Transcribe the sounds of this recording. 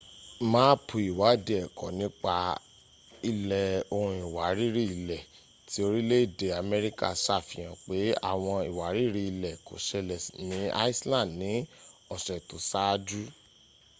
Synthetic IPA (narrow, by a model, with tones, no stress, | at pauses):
mãː˦pʰu˧˦i˨wa˨˦de˦˨ɛ˨kɔ˨nĩ˨˦k͡pa˧ | i˧lɛ˨o˧ɾ̃ũ˧˦i˨wa˨ɾi˦ɾi˦i˧˨lɛ˨ | ti˨˦o˧ɾi˦le˦i˦˨de˨a˨mɛ˦ɾi˦ka̰˦˨ʃa˦˨fi˨j̃ã˨k͡pe˨˦a̰˦˨w̃ɔ̃˧i˨wa˨˦ɾi˦ɾi˦i˨lɛ˨ko̰˨ʃɛ˧lɛ˨snĩ˨˦a̰˦i˦slã˦˨dnĩ˨˦ɔ˨ʃɛ˨to˨˦sa˦˧d͡ʒu˦